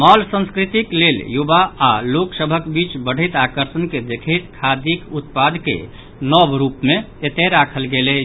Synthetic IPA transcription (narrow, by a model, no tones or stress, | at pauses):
malsə̃nskɾit̪ikleljubaaloksəbʱəkbit͡ʃbəɽ̤it̪akəɾsənked̪ekʰit̪kʰad̪ikut̪pad̪kḛ | nɔbɾupmeet̪eɾakʰəlɡele